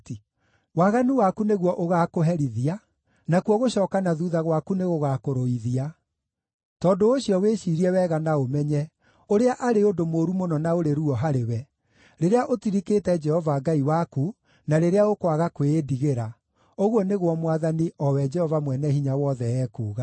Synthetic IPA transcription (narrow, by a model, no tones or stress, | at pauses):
waɣaniwakuneɣwɔʔoɣakoɦɛɾiðia | nakwɔɣoɕɔːkanaðuðaɣwakuneɣoɣaːkoɾoiðia | tɔːdoːɕjɔweɕiɾiɛwɛɣanaomɛɲɛ | oɾeaʔaɾeodomoːɾumonɔnaoɾeɾuɔɦaɾewɛ | ɾeɾeaʔotiɾikeːtɛd͡ʒɛhɔvaɡaiwaku | naɾeɾeaokwaɣakweːdiɣeɾa | oɣɔneɣwɔmwaðaniʔɔwɛd͡ʒɛhɔvamwɛnɛhiɲawɔːðɛɛːkuːɣa